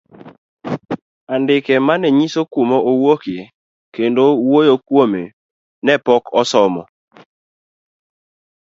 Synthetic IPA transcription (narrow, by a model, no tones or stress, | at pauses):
andɪkɛmanɛɲisokumoʔowokɪe | kendowojokwome | nɛpɔkɔsɔmɔ̰